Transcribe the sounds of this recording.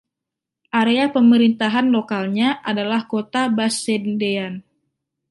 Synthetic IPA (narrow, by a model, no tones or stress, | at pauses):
ʔaɾeapəməɾint̪aɦanlokalɲaʔadalahkot̪abasɛndean